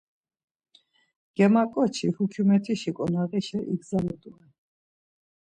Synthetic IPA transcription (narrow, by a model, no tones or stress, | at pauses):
ɡ̥ɛmakʼɔt͡ʃʰihukʰumɛt̪ʰiʃikʼɔnaʁiʃɛʔiɡzalɛd̪uɛ